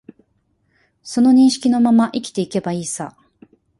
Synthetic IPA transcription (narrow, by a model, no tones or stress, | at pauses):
so̞no̞ɲ̟ĩɰ̃ɕi̥kʲino̞mamaʔikʲi̥t̪e̞ike̞baiːsa